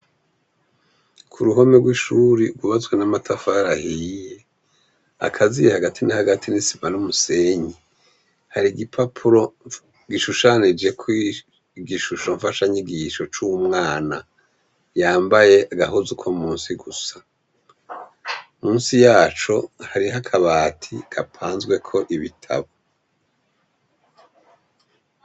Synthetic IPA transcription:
kʰuɾuɦo̞meɡwiʃuɾiɡuβazɡwenamatʰafaɾahije | a̰kʰazijehaɡatʰinahaɡatʰinisimanumuse̞ɲi | haɾiɡipʰapʰuɾo̞ | ɡiʃuʃanid͡ʒe̞kwi | ɡiʃuʃo̞ɱfaʃaɲiɡiːʃo̞t͡ʃumŋaːna | jaːmbaje̞ʔaɡaɦuzukʰomuːnsiɡusḁ | muːnsijaːt͡ʃo̞haɾiɦakʰaβaːtʰikapʰaːnzɡwe̞kʰo̞ʔiβitʰa̰βo

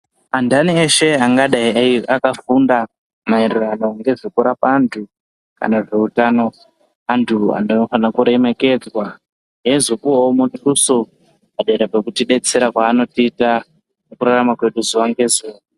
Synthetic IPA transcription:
andanieʃe̞aŋɡaɗaiaiakafunda | mairurano̞ŋɡe̞ʐikuɾapantʰu | ka̰naʐe̞utano̞ | antʰua̰nofanakuɾe̞me̞ke̞d͡zwa | ɦe̞zukuomoniruso | paɗaiɾapekutiɗe̞t͡se̞ɾakwaːno̞tiːta | nekuɾaramakwe̞ɗuzuʋaŋɡe̞zuːa

